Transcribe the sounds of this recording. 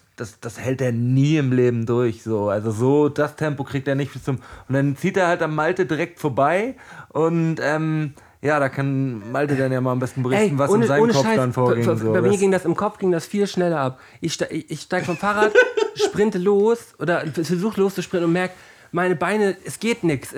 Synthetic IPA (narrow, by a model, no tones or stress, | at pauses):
d̥asd̥ashɛlteːɐniːɪmleːbm̩dʊɐçz̥oːʔalzozoːd̥astʰɛmpokʁ̥iːk̚teːɐnɪçtb̥ɪst͡sʊmʔʊntd̥ant͡siːteːɐhaltamːaltədiʁɛk̚tfoːɐbaɪʔʊntʔɛːm | jaːɾaːkʰanmaltədanjaːmaːlambɛstn̩bəʁçɛn̩vasʔoːnəzaɪoːnəkɔaɪɪdanfoːɐɡɪfŋzobaɪmiːɐɡɪŋdasɪmkʰɔp͡fɡ̥ɪŋdasfiːlʃnɛlɐʔap̚ | ʔɪçʃtaɪçʔɪçʃtaɪɡəfɔmfaːʁaːtʃpʁ̥ɪntəloːsʔoːdɐfɛfɛɐzuːxtloːst͡suʃpʁɪ̃nnʊntmɛɐk̚t | maɪnəbaɪnəɛsɡ̥eːtnɪks